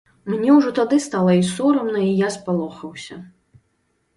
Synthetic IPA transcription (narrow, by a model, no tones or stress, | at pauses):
mnʲɛwʐɔt̪ad̪ɨst̪alˠɐisɔɾɐmnɐijaspalˠɔxɐwsʲɐ